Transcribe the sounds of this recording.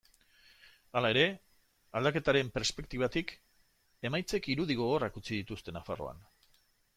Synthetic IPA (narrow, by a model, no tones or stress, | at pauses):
alae̞ɾe̞ | ald̪ake̞t̪aɾe̞mpe̞ɾspe̞k̚t̪iβat̪ik | e̞majt͡se̞kiɾuðiɣo̞ɣ̞o̞rakut͡sið̞it̪ust̪e̞nafaro̞̰a̰n